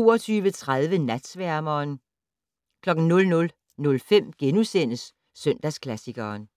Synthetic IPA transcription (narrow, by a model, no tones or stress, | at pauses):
o̝ːɐt͡sʰyːʋət͡sʰʁað̞ˠʋənæd̥sʋæɐ̰mɐːn | kʰlɒ̽ɡ̥n̩nɔ̽lnɔ̽l | nɔ̽lfem̰ɡ̥enusen̰əsː | œn̰d̥æskʰlæsiɡ̥ɐːn